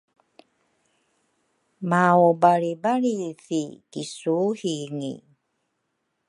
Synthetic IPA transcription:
maobaɾibaɭifikisuhiŋḭ

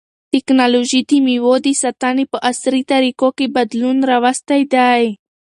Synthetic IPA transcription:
t̪ɪknaloʒit̪imiwod̪isat̪ɑnipəʔasɾit̪aɾikokebad̪lunɾawast̪ajd̪aj

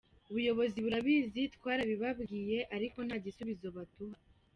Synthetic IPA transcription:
uβujo̞βo̞ziβuɾaβiːzitkwaːɾaβiβabɡiːje̞ʔaɾiko̞n̥haːɟisuβizo̞βatuɦa

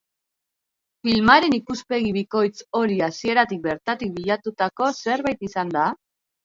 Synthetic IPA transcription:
filmaɾe̞nikuspe̞ɣ̞iβiko̞jt͡so̞ɾiasie̞ɾat̪ik̚be̞ɾt̪at̪ik̚biʎat̪ut̪ako̞se̞ɾβajt̪isand̪a

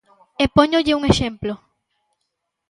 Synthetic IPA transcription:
epoɲoʎɪuŋeʃẽmplo

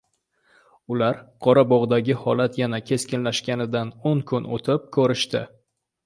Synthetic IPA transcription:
ʊlaɾqʰɒɾabɒʁd̪aɡʲɪhɒlat̪janakʲʰe̞skʲɪnlaʃkʲanɪd̪anoŋkʰʊno̰t̪ʰɪp̚kʰɵɾɪʃt̪ɪ

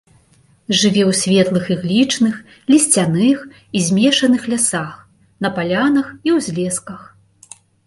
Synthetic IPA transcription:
ʐɨvʲɛwsʲvʲɛt̪lˠɨxiɣlʲit͡ʂnɨx | lʲisʲt͡sʲanɨx | izʲmʲɛʂɐnɨxlʲasax | nɐpalʲanɐxiwzʲlʲɛskɐx

